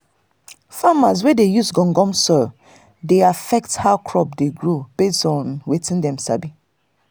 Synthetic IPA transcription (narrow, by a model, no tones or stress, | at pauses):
famaz̬wɛdejusɡɔ̃ŋɡɔ̃msɔl | deafɛk̚thaʊkʰɹɔpdeɡɹob̥estɔ̃nwetĩndɛ̃msa̰bi